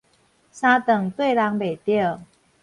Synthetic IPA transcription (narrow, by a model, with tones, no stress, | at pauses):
sa˥t̪ə˨˩ŋt̪we˥˧ɪla˧˥ŋpe˨˩ɪt̪jɛ˥˩